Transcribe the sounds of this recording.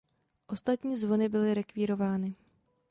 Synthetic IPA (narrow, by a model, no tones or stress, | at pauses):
ʔo̞st̪at̪ɲiːzvo̞nɪbɪlɪɾɛkviːɾo̞vaːnɪ